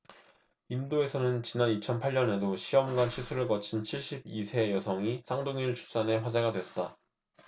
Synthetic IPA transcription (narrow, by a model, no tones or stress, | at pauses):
imdoe̞sʰʌnɯnt͡ɕinanit͡ɕʰʌnpʰaʎɲʌne̞doɕʰiʌmɡanɕʰisʰuɾɯɭkʌt͡ɕʰint͡ɕʰiɭɕ͈ibisʰe̞jʌsʰʌŋisʰaŋdoŋiɭt͡ɕu̥s͈ane̞ɸwad͡ʑeɡadweʌt̚t͈a